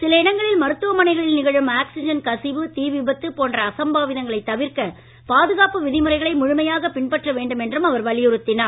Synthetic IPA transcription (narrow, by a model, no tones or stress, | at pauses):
sɪlɐɪɽɐŋɡɐɭɪlmɐɾɯt̪ːɯʋɐmɐnɐɪɣɐɭɪlnɪɣɐɻɯmaːksɪd͡ʒɐnkɐsɪʋɯt̪iːʋɪbɐt̪ːɯpoːndrɐːsɐmbaːʋɪðɐŋɡɐɭɐɪt̪ːɐʋɪɾkɐ | paːðɯɣaːpɯʋɪðɪmɯrɐɪɣɐɭɐɪmʊɻʊmɐjaːɣɐpɪɳpɐʈrɐʋeːɳɖɯmɛndrɯmɐʋɐɾʋɐɭɪjɯɾɯt̪ːɪnaːɾ